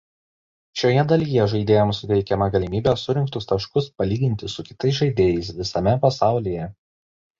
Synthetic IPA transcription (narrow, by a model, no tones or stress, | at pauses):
ʃʲoːjɛd̪ɐlʲijɛʒɐɪd̪ʲeːjɛmsʊt̪ʲɛɪkʲɛmɐɡɐlʲɪmʲiːbʲɛːsʊɾʲɪŋkt̪ʊst̪ɐʃkʊspɐlʲiːɡʲɪnʲt̪ʲɪsʊkʲɪt̪ɐɪsʒɐɪd̪ʲeːjɛɪsʋʲɪsɐmʲɛpɐsɑˑʊlʲejɛ